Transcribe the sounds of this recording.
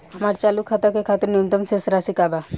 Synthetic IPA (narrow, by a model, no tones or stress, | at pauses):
amaɾt͡ʃalukʰat̪akekʰat̪ɾnimt̪ɔmsesɾasikaba